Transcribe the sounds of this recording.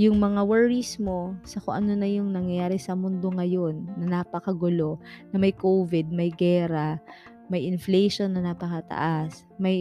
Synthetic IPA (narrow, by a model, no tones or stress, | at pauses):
jʊŋmɐŋawɛɹismo̞sɐko̰ʔɐnonɐjʊŋnɐŋjɐjaːɾɛsɐmʊnd̪o̞ŋɐjo̞nːɐnapɐkɐɡʊlo̞nɐmɐjkovɪd̪̚mɐjɡɛːɾɐ | mɐjʔɪnflɛjʃo̞nːɐnapɐkɐt̪ɐ̰ʔas | mɐj